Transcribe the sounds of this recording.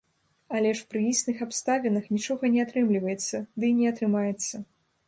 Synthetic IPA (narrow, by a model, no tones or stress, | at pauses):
alʲɛʂpɾɨisʲnɨxapst̪avʲɛnɐxnʲit͡ʂɔɣɐnʲɛat̪ɾɨmlʲivɐjɛt̪sːɐd̪ɨnʲɛat̪ɾɨmajɛt̪sːɐ